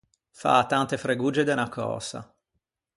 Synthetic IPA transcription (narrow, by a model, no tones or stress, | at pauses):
fa̰ːt̪ːant̪efɾeɡuːd͡ʒed̪enakʰɔ̰ːsa̰